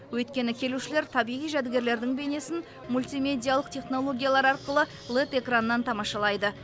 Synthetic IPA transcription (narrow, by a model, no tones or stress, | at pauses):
wɵjt̪̚kʲe̞nɪkʲʰe̞luʃɪle̞ɾt̪ʰɑbijʁijʒæd̪ɪɡʲe̞ɾle̞ɾd̪ɪŋbe̞ne̞sɪn | mulʲt̪imʲe̞d̪ʲijalˠəqt̪ʰe̞χno̞lˠo̞ɡʲijalˠɑɾɑɾqəlˠə | lˠet̪e̞kranəːɑnt̪ʰɑmɑʃɑlˠɑjd̪ə